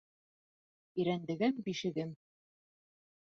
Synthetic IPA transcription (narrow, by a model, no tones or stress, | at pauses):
ĭɾænd̪ɘ̆ɡɘmbiʃɘ̆ɡɘm